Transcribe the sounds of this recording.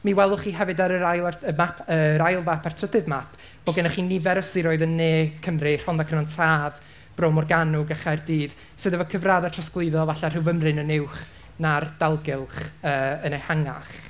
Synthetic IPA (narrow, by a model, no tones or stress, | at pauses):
miwɛlˠʊχiːɦɛvɨdaɾəɾajlˠaəmapʰəɾajlˠvapʰartʰədɨðmapʰ | b̥ɔɡɛnaχiːnɪvɛɾəsɪɾoːɨðənːeːkʰəmrɪr̥hɔnðakʰənɔntʰaːð | b̥roːmɔrɡanʊɡaχajrdiːð | sɨðəvɔkʰəvraːðatʰasklˠɨðɔvaɬar̥ɪwvəmrɨnənɪwχ | nard̥alˠɡɪlˠχəːənejhaŋa̰χ